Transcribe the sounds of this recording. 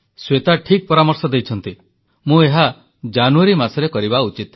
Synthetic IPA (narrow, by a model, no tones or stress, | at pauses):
swet̪aʈʰik̚pɔɾamɔɾsɔd̪ejt͡ʃʰɔnt̪i | mũeɦa | d͡ʒanuaɾimasɔɾekɔɾibaut͡ʃit̪